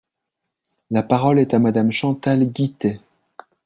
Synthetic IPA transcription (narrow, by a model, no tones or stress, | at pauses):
lapaʁɔlɛt̪amad̪amʃɑ̃t̪alɡʲit̪e